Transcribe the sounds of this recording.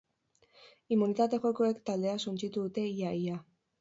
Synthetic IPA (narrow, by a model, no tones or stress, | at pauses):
imunit̪at̪e̞xo̞koekt̪ald̪e̞asunt͡ʃit̪uðut̪e̞iaja